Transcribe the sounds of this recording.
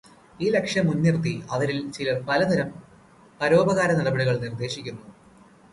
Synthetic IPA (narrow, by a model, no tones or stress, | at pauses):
iːle̞kʂjɐmːunːirt̪ːiɐʋɐɾilt͡ɕilɐpɐlɐd̪ʱɐɾɐm | pɐɾo̞ːbɐɣaːɾɐnɐɽɐbɐɽiɣɐɭnird̪e̞ːɕikʲːunːu